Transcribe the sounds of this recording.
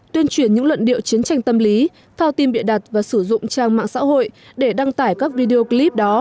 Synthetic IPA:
t̪wi˧ənt͡ɕwi˧˩ənɲɨ̰˧˥ŋlwə̰˧˨nɗḭ˧˨əwt͡ɕi˨˦ənt͡ɕa˧jŋ̟t̪ə˧mli˨˦ | t̪ʰaː˧wt̪i˧mɓḭ˧˨ənɗa˨˩t̚vaː˨˩sɨ˧˩zʊ̰˧˨ŋ͡mt͡ɕaː˧˩ŋma̰ː˧˨ŋsa̰ː˧˥ho̰˧˨j | ɗe˧˩ɗa˧ŋt̪aː˧˩jkaː˦˥k̚vi˧ɗe˧o˧kli˦˥p̚ɗɔ˨˦

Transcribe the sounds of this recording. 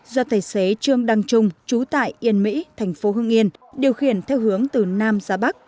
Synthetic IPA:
zɔ˧t̪ʰaː˧˩jse˨˦t͡ɕɨ˧əŋɗa˧ŋt͡ɕʊ˧ŋ͡mt͡ɕu˨˦t̪a̰ː˧˨jʔi˧˩ənmḭ˧˥tt̪ʰɛ˨˩jŋ̟fo˨˦ɦɨ˧əŋʔi˧ənɗi˨˩əwxi˨˧˩ənt̪ʰɛ˧wɦɨ˨˦əŋt̪ɨ˨˩naː˧mzaː˨˦ɓa˦˥k̚

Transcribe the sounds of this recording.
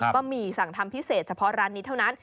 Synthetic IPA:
kɔː˥˩miː˧˩sa˨˩˦ŋt̪ʰa˧mpʰi˦˥seː˨˩t̪̚t͡ɕʰpʰɔ˦˥ɾaː˦˥nːi˦˥t̪ʰa˥˩na˦˥n

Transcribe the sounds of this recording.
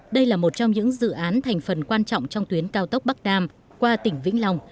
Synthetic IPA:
ɗə˧jlaː˨˩mo˨˩t̚t͡ɕɔ˧wŋ͡mɲɨ̰˧˥ŋzɨ̰˧˨ʔaː˨˦nt̪ʰɛ˨˩jŋ̟fə˨˩nkwaː˧nt͡ɕɔ̰˧˨wŋ͡mt͡ɕɔ˧wŋ͡mt̪wi˨˦ənkaː˧wt̪ə˦˥k͡p̚ɓa˦˥k̚ɗaː˧m | kwaː˧t̪ï˧˩ŋ̟vḭ˧˥ŋ̟lɔ˨˩wŋ͡m

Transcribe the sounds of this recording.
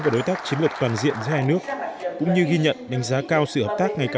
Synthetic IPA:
ku˧˩ɗo˨˦jt̪aː˦˥k̚t͡ɕi˨˦nlɨ˨˩k̚t̪waː˨˩nzḭ˧˨ənzɨ̰˧˥haː˧jnɨ˦˥ək̚kʊ̰˧˥ŋ͡mɲɨ˧ɣi˧ɲə̰˧˨nɗa˨˦jŋ̟zaː˨˦kaː˧wsɨ̰˧˨həː˨˩p̚t̪aː˦˥k̚ŋa˨˩jkaː˨

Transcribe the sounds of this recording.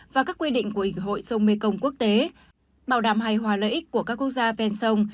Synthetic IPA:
vaː˨˩kaː˦˥kːwi˧ɗḭ̈˧˨ŋ̟ku˧˩əi˧˩ŋɦo̰˧˨jsə˧wŋ͡mme˧kə˧wŋ͡mku˦˥ək̚t̪e˨˦ | ɓaː˨˩wɗaː˨˩mɦa˨˩jɦwaː˨˩lə̰ː˧˨ʔi˦˥k̟̚ku˧˩əkaː˦˥kːu˦˥ək̚zaː˧vɛ˧nsə˧wŋ͡m

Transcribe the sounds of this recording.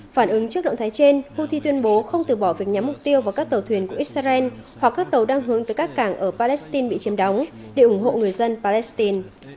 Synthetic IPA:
faː˧˩nʔɨ˨˦ŋt͡ɕɨ˦˥ək̚ɗə̰˧˨ŋ͡mt̪ʰːjt͡ɕe˧nhu˧t̪ʰi˧t̪wi˧ənɓo˨˦xə˧wŋ͡mt̪ɨ˨˩ɓɔ˧˩vi˨˩ək̚ɲa˨˦mʊ˨˩k͡p̚t̪i˧əwvaː˨˩wkaː˦˥k̚t̪ə˨˩wt̪ʰwi˧˩ənku˧˩əʔi˦˥t̚saː˧ʔɛ˧nhwa˨˩kːaː˦˥k̚t̪ə˨˩wɗaː˧ŋɦɨ˨˦əŋt̪ɨː˨˦kaː˦˥kːaː˧˩ŋʔəː˧˩paː˧lɛ˦˥st̪i˧nɓḭ˧˨t͡ɕi˨˦mɗa˨˦wŋ͡m | ɗe˧˩ʔʊ˧˩ŋ͡mɦo̰˧˨ŋɨ˨˩əjzə˧npaː˧lɛ˦˥st̪i˧n

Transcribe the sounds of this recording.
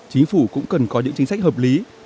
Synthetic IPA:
t͡ɕï˨˦ŋ̟fu˧˩kʊ̰˧˥ŋ͡mkə˨˩nkɔ˨˦ɲɨ̰˧˥ŋt͡ɕi˨˦sa˥k̟̚həː˨˩p̚li˨˦

